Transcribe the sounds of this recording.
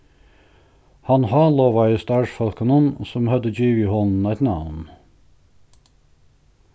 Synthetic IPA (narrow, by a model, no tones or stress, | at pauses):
hɑnhɑːloːʋɑɪəst̪ɑʃfɔlkənənsɔmhœd̪əd͡ʒiːʋiːhɔln̩æt̪nɑ̰ːʋn̩